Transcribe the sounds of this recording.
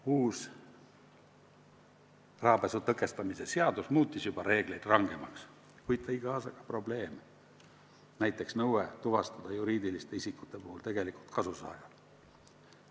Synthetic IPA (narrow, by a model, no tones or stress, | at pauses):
uːs | rɑːbesut̪ɤkːˑe̞st̪ɑmise̞seɑd̪usmuːt̪ˑːisjubɑɾe̞ːɡ̥le̞jd̪̥rɑŋɡ̥e̞mɑks | kujd̪̚t̪ɑiɡ̥ɑːsɑɡ̥ɑ̥pro̞ble̞ːm | næjt̪ːˑe̞ksnɤwet̪uvɑst̪ɑd̪̥ɑjuɾiːd̪ilist̪e̞isikːˑut̪ːˑe̞puhult̪e̞ɡ̥e̞likult̪kʰɑsusɑ̰ːvɑd̪̥